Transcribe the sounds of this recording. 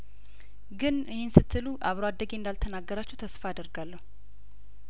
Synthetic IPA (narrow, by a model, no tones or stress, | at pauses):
ɡɨnɨhensɨt̪ʰːɨluʔaβɾoad̪ːəɡend̪alt̪ʰənaɡːəɾat͡ʃːɛwt̪ʰəsfaad̪əɾɡalːəhu